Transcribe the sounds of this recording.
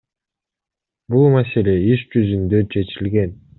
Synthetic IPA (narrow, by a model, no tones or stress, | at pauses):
bulˠmase̞lʲe̞iʃd͡ʒyzynd̪øt͡ʃʰe̞t͡ʃilɡe̞n